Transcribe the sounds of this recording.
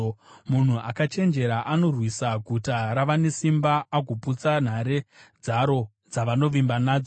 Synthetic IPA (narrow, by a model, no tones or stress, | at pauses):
mun̤uʔakat͡ʃe̞nd͡ʒe̞ɾaʔano̞rwisaɡʱutaɾaʋane̞simbaːɡʱuput͡san̤aɾed͡zaɾo̞ | d͡zaʋano̞ʋimbanaːd͡zo